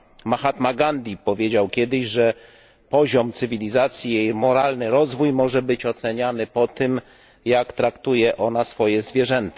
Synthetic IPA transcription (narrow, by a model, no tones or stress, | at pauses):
maxat̪maɡand̪ʲipɔvʲjed͡ʑawkʲɛd̪ɘʑʐɛ | pɔʑɔmt̪sɘvʲilʲizat̪sʲjijejmɔɾalnɘɾɔzvujmɔʐɛbɘt͡ɕɔt̪sɛɲanɘpɔt̪ɘm | jakt̪ɾakt̪ujɛʔɔnasfɔjɛzvʲjɛʐɛnt̪ḁ